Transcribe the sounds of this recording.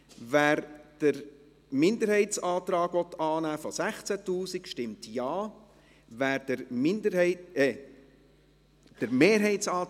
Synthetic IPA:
væːɾd̥əɾ | mɪnd̪əɾhɛɪtt͡sɑːt̪ɾɑːɡʋɔt̪ːɑːnæːfɔsæχt͡sætuːsikʃtɪmt̪jɑː | væːɾdəɾmɪndəɪɛ | d̥əɾmeːɾɦɛɪtt͡sɑː

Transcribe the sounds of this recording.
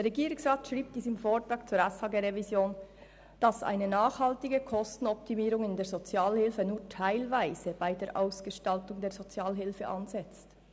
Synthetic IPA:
deɾʁɛɡiːɾɪŋsʁaːtʃʁiːb̚d̥iːsəmfoːtɾɑːkt͡suːɾɛshɑːɡeɾevizjoːn | d̥ɑsʔa̰ɪnənaːχhɑltɪɡəkʰɔstn̩ɔp̚timiːɾʊŋɪndeːɐɾzot͡sjaːlhɪlfənuːtʰaɪlvaɪz̥əb̥aɪdeːɐɾʔa̰ʊsɡ̥əʃtɑltʊŋdeːzot͡sjaːlɦɪlfəʔɑ̰nzɛt͡st

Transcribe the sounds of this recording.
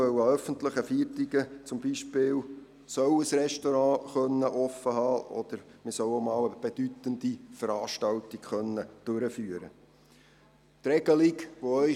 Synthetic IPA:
œwəœfənt̪ləχəfiətiɡət͡sʊmbiʃpɪːw | sœwəsɾɛʃtɔɾɑ̃ːχœnːəʔɔfːəhɑːʔɔ̰d̪̥əɾmɪsœwomɑːwəb̥ed̥yt̪ənd̥̪ifəɾɑːʃtɑwt̪ikχœnːəd̥ʉɾəfyːəɾə̰ | t̪ɾɛɡ̥əlikʋoœʏ

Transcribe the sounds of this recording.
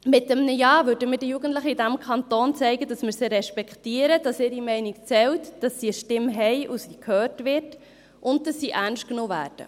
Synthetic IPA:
mɪtːəmnəjɑːvøːɾdəmɪdəjuɡən̩tləχəidæmkʰɑnt̪oːnt͡sɛɪɡədɑsmɪɾsəɾɛʃpɛkχtiəɾəd̥ɑsɪːɾimɛɪnik̚t͡sɛltd̥ɑsːiəʃtɪmɦɛɪʔusiːkʰhøːrtvɪɾt | ʔʊnddɑsːiʔænʃtknoːvæ̰ːɾd̥ə̰

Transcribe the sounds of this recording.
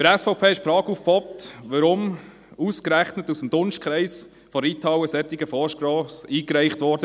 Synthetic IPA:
fəɾɛsfɔʊpʰeːɪʃpfɾɑːɡufpʰɔp̚t̪ʋəɾʊm | uskɾæχnətusmd̥ʊnʃt̚kʰɾɛɪs | fɔɾitʰɑːwəsɛtːɪɡəfɔʃkɾɔːsiːkɾɛɪχtʋɔɾd̥ə

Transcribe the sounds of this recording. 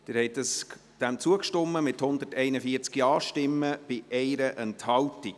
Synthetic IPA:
d̪̥ɪɾhɛjtdəsd̪̥æmt͡suəkʃtɔmːəmɪthʊnd̪ətɛɪnəfiəɾt͡skiɑːʃtɪmːəb̥ɪʔɛɪɾəʔɛnthɑwti

